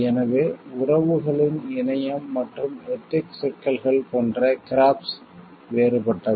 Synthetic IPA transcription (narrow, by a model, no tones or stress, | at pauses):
ɛnɐʋeːʊrɐʋɯɣɐɭɪnɪnɐjɐmːɐʈrɯmɛʈːɪksɛkːɐlɣɐɭpoːndrɐkɪɾaːps | ʋeːɾɯpɐʈːɐð